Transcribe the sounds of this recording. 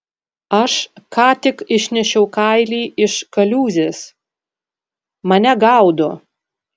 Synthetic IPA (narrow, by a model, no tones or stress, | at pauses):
ɐʃkɑːt̪ʲɪkɪʃʲnʲɛʃʲɛʊkɐɪlʲiːʔɪʃkɐlʲuːzʲes | mɐnʲɛɡɐʊd̪ʊ